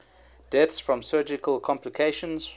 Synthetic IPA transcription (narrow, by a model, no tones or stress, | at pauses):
d̥ɛtsfɹə̃msɜːd͡ʒɪkʰəlˠkʰɒ̃mplɪkʰeɪʃə̃nz̥